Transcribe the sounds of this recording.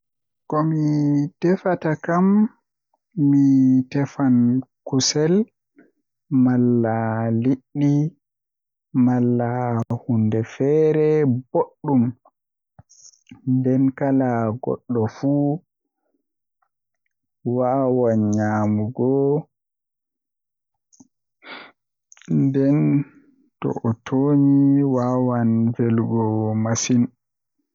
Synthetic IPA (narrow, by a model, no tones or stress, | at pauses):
kɔmitɛfatakam | itɛfankusɛl | malːaliɗːi | malːahundɛfɛɾɛboɗːum | ndɛnkalaɡɔ̰ɗːɔfu | wawanɲaːmuɡɔ | ndɛn | tɔ̰ʔɔtʰoːɲiwawanvɛlɡɔmasin